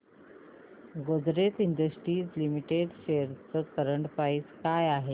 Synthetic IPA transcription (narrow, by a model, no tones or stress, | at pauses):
ɡod̪ɾet̪iɳd̪əsʈɾiːd͡zlimiʈeɖɕeəɾt͡səːkəɾəɳʈpait͡skajaɦe